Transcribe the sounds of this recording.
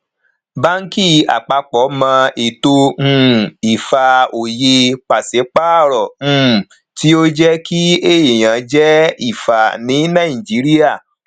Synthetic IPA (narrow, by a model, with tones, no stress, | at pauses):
ba˦ŋ̩˦ki˦˨a̰˨k͡pa˧k͡pɔ˨˦mã˧e˨to˧hũ˦˧i˨fa˨o˨je˧k͡pa˨se˨˦k͡pa˦˨ɾɔ˨m̩̃˦˨ | ti˦o˦d͡ʒɛ˦ki˦e˦i˨j̃ã˨d͡ʒɛ˦i˦˨fa˨nĩ˨˦nã˦˨i˨d͡ʒi˨˦ɾi˦a˦˨